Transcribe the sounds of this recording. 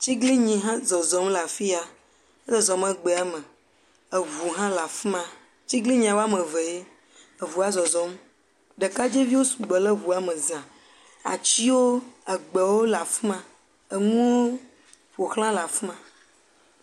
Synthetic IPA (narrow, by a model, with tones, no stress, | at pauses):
t͡ɕi˦ɡli˦ɲĩ˨ɦã˦zɔ˨zɔ˨˦mla˨fi˦a˨ | e˦lɛ˦zɔ˨mɛ˨ɡ͡be˨a˦mə̃˨ | e˨βu˨ɦã˦la˨fã˨ | t͡ɕi˦ɡli˦ɲĩ˨a˨wo˦a˦mə̃˨ve˨e˦ | e˨vu˨a˦zɔ˨zɔ˨˦m | ɖe˨ka˦d͡ʒe˦vi˦wo˦sũ˨ɡ͡bɛ˨le˦βu˨a˦mə̃˨zã˨ | a̰˨t͡ɕi˦wo˦ə˨ɡ͡be˨wo˦la˨fmã˨ | ə˨ŋũ˦wo˦ | ɸo˨xlã˦la˨fmã˨